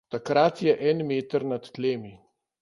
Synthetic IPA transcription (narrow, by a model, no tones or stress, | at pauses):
t̪akɾat̪jɛʔɛnmeːt̪əɾnat̪ːleːmi